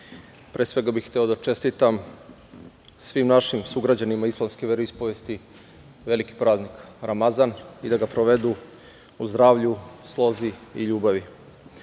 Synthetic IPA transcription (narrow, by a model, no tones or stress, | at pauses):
pɾeːsʋe̞ɡabixt̪eo̞d̪at͡ʃe̞st̪it̪am | sʋimnaʃimsuɡɾad͡ʑanimaislˠamskeʋeɾoispoʋest̪i | ʋe̞liki̥pɾaːznikɾamazanid̪aɡapɾoʋe̞d̪u | uzd̪ɾaːʋʎuslˠo̞ziiʎuːbaʋi